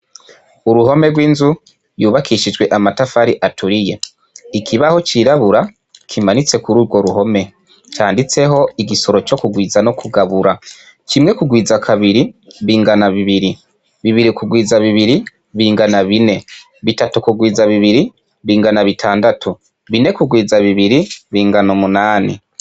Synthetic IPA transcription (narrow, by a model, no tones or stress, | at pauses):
uɾuho̞me̞ɾɡwiːnzu | juːβakʰiʃid͡ʒɡwe̞ʔamatafaɾiʔatuɾije̞ | ikʰiβaho̞t͡ʃiːɾaβuɾa | kʰimanit͡se̞kuɾuːɾwo̞ɾuho̞me̞ | t͡ʃaːndit͡se̞ɦo̞iɡiso̞ɾo̞t͡ʃo̞kuɡwiːzano̞kʰuɡaβuɾa | cimŋe̞kuɡwiːzakʰaβiɾiβiːŋɡanaβiβiɾi | βiβiɾikuɡwiːzaβiβiɾi | βiːŋɡanaβine̞ | βitatukuɡwiːzaβiβiɾi | βiːŋɡanaβitʰaːndatʰu | βine̞kuɡwiːzaβiβiɾiβiːŋɡanomunaːnḭ